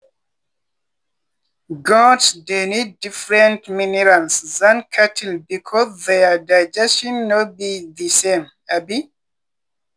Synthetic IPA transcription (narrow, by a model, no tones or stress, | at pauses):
ɡɔ̃tsdenidːifɹɛ̃ntminiɹãnszãnkʰatʰilbikʰɔzðɛadaɪd͡ʒɛstɔ̃nːobiðisẽm | abi